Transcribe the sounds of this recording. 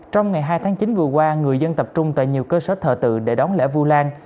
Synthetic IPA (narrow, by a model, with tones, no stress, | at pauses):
t͡ɕɔ˧wŋ͡mŋa˨˩jɦaː˧jt̪ʰaː˨˦ŋt͡ɕi˨˦nvɨ˨˩əkwaː˧ŋɨ˨˩əjzə˧nt̪ə˨˩p̚t͡ɕʊ˧ŋ͡mt̪wa̰˧˨jɲi˨˩əwkəː˧səː˧˦t̪ʰəː˨˩t̪ɨ̰˧˨ɗe˧˩ɗɔ˨˦nlɛ̰˧˩vu˧laː˧n